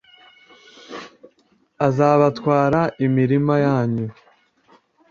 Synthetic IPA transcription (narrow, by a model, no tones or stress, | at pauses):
azaːβatkwaːɾaʔimiɾimajaːɲu